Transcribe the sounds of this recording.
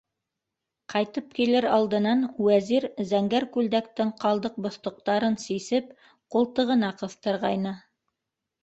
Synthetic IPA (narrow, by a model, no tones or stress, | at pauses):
qʰɑjt̪ɤp̚kilɘɾɑlˠd̪ɤ̆nɑnwæziɾzæŋɡæɾkʉld̪æk̚t̪ɘŋqʰɑlˠd̪ɤq̚bŏθt̪ŏq̚t̪ɑɾɤnsisɘp̚ | qulˠt̪ɤ̆ʁɤ̆nɑqɤ̆θt̪ɤ̆ɾʁɑjnɤ